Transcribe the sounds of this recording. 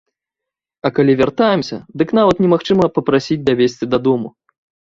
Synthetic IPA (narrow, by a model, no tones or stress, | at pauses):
ɐkalʲivʲart̪ajɛmsʲɐ̰d̪ɨkn̪avɐt̪nʲɛmaxt͡ʂɨmɐpɐpɾasʲid͡zʲd̪avʲesʲt͡sʲid̪ɐd̪ɔmu